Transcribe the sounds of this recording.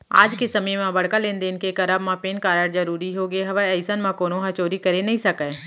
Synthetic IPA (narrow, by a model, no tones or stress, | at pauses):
a̰ːd͡ʒkesɐməjmãbɐɽ̤kalẽːnd̪eːnkekɐɾabmãpeːnkaːɾəɽzɐɾuːɾiɦoɡeɦɐʋaɛɪsənmãkoːnoɦɐt͡ʃoːɾikɐɾenɐɦĩsɐkəː